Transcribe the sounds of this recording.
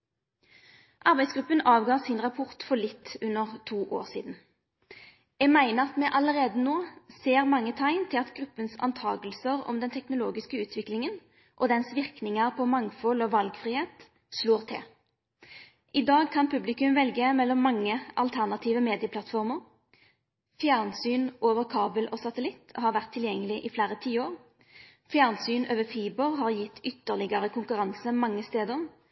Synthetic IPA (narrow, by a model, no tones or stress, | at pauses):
ʔɑʁbæɪsɡɾʉpːənɑːʋɡɑːsɪnʁɑpʰʊʁt̪fɔɭɪt̪ːʉnːəʁt̪ʰuːʔo̰ːʁsḭːd̪n̩ | jɛɡmæɪnəʁɑt̪mɛʔɑləʁeːd̪ənoːseːʁmɑŋːət̪ʰɑɪnt̪ʰɪlɑt̪ɡʁʉpːənsɑ̰nt̪ʰɑ̰ːɡəlsəʁɔ̰md̪ɛnt̪ʰɛknʊloːɡɪskəʉːt̪ʰʋɪklɪŋən | ʔɔd̪ɛnsʋɪʁknɪŋəʁpʰɔmɑŋfɔlɔʋɑlɡfʁiheːt̪ | sloːʁt̪ʰɛ̰ | ʔɪd̪ɑːɡkʰɑnpʰʉblɪkʉmʋɛlɡəmɛlːɔmːɑŋːəʔɑlt̪ʰæʁnɑt̪ʰiːʋəmeːd̪ɪəpʰlɑt̪fɔʁməʁ | fjæːʁnsyːnʔoːʋəʁkʰɑːbəlʔɔsɑt̪əlɪt̪ːhɑːʁʋæʁt̪ʰːɪljɛŋːəlɪʔɪfleːʁət̪ʰiːoːʁ | fjæːʁnsyːnøːʋəfiːbəʁɦɑʁjɪt̪ːʏt̪ːəʁlɪɡəʁəkʰʊŋkʉʁɑnsəmɑŋːəst̪eːd̪əʁ